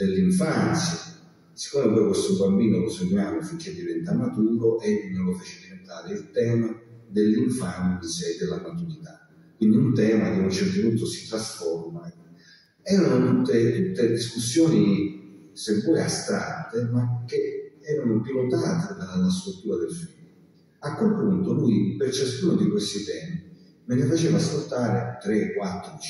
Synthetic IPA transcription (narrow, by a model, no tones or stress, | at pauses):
d̪elːiɱfant̪sja | si̥kːɔːmepɔːjkwest̪ʊubambiːnolosemaːnofiŋkʰːed̪ːivɛnt̪amat̪uːɾoʔenːolofet͡ʃɪd̪ient̪aːɾeilt̪ɛːmad̪elːiɱfant̪sjad̪ːelːamat̪uɾit̪a | kwind̪iunt̪ɛːmad̪iunt͡ʃɛrt̪opunt̪ːʊsi̥t̪ɾasfɔrma | ɛːɾanot̪ut̪ːet̪ut̪ːed̪iskusːjɔːni | semvɔeast̪ɾat̪ːemak̟ːeɛːɾanopilot̪aːt̪ed̪anlːaskult̪ːuːɾad̪elfil | akːwelpunt̪olujpert͡ʃaskuːnod̪ikwest̪it̪ɛːmi | menefat͡ʃeːvaːskolt̪aːɾet̪ɾekːwat̪ːɾot͡ʃ